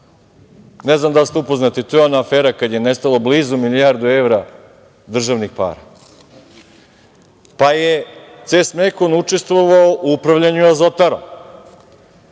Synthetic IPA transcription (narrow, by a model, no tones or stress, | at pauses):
neznamd̪alst̪eupoznat̪it̪ojeonaːfeːɾakad̪jenest̪alˠo̞bliːzumilijaɾd̪ueʋɾa | d̪r̩ʒaʋnixpa̰ːɾa̰ | pajet̪seːsmekonut͡ʂest̪ʋoʋaoʔuupɾaʋʎaɲuazot̪aɾo̰m